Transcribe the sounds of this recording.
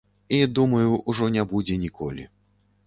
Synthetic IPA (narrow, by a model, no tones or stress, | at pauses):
id̪umɐjuʔuʐɔnʲɛbud͡zʲɛnʲikʰɔ̰lʲḭ